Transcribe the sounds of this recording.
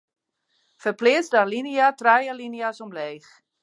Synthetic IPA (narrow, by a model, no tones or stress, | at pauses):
fərplɪəsdalinijatrajəlinijasɔmleːx